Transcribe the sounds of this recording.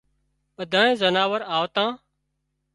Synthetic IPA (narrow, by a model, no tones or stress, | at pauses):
ɓəd̪ʱãːnẽːzənaːʋəɾaːʋt̪ãː